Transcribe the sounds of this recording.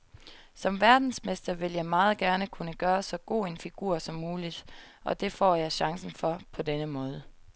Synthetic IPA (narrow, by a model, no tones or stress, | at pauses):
sɒ̽mʋæɐd̥n̩smesd̥ɐʋe̝ljɑ̈ɪmɑ̈ːð̞̩ˠɡ̥æɐnəkʰunəɡ̥ɶːɐsɒ̽ɡ̥o̝̰ːe̝nfiɡ̥uɐ̰sɒ̽mːuːlid̥ | ʔɒ̽d̥e̝fɒ̰ːjɑ̈ɪɕɑ̈ŋsn̩fɒ̽pʰɒ̽d̥enəmɔ̽ːð̞ˠə